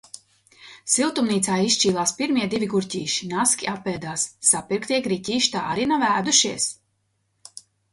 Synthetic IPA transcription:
silˠt̪umniːt̪saːist͡ʃiːlˠaːspiɾmʲiɛd̪ivʲiɡuɾcʲiːʃi̥naskʲiʔapːɛːd̪aːsːapiɾkt̪iɛkɾicʲiːʃt̪a̰ːaɾinavæːd̪uʃiɛs

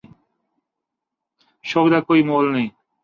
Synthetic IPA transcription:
ʃoːkd̪aːkoːiːmoːlnɐĩː

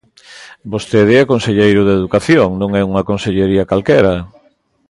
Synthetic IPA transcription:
bost̪eðeakonseʎejɾʊðeðukaθjoŋnõŋɛuŋakonseʎeɾiɐkalkɛɾɐ

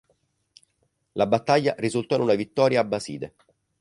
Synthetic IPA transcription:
labat̪ːaʎːarizult̪ɔinunavit̪ːɔːɾjaːbːasiːd̪e

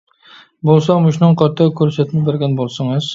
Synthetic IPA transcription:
bolˠsɒŋmʊʃnɪɴqʰɒt̪ʰːakʰɵɾsat̪nɪbeɾɡʲanbolˠsɪŋɪz̥

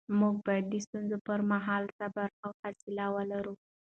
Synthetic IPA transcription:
muɡ̚bɑjad̪̚ːəst̪unzopəɾmaɦɑlsabaɾawfasɪlawəlaɾu

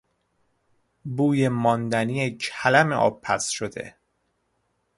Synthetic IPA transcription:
buːjemɒnd̪ænijecʰælæmḛʔɒ̰ːb̚pʰæsʃod̪e̞̰

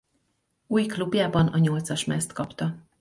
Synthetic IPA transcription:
uːjklubjaːbɒnɒɲo̞lt̪sɒʃmɛst̪kɒpt̪ɒ

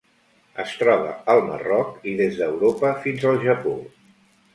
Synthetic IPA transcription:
əst̪ɾɔβ̞ə̰əlˠmə̰rɔkiðezðəwɾopəfinzəlˠʒəpo

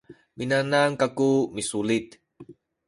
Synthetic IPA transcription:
minanaŋkakumisulit̪̚

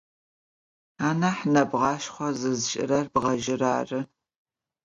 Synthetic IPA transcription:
aːnɐħnɐbʁɑːʃχʷɔzɨzʃʼɪ̰ɾɐrbʁɐʒɪra̰ːrɨ

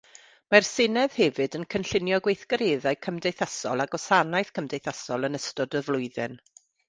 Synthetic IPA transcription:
marsɪnɛð̥hɛvɨdənkʰənɬɪnjɔɡwejθɡ̥əɾeːðaɨkʰəmdejθasɔ̰lˠaɡɔsanajθkʰəmdejθasɔlˠənəstɔdəvlˠʊɨðɨn

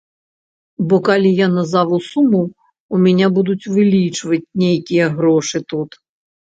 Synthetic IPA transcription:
bɔkɐlʲijanɐzaʋʊsumʊ | umʲɛnʲabud̪ʊtʲʋɪlʲit͡ʃʋɐtʲnʲejkʲijɛɦɾɔʂɪt̪ut̪

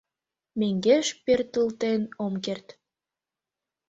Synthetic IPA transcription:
meŋɡeʃpert̪əlt̪enomkert̪

